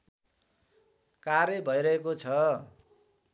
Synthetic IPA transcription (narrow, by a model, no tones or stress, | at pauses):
kaɾjʌbʱʌjɾʌɦekot͡sʰʌ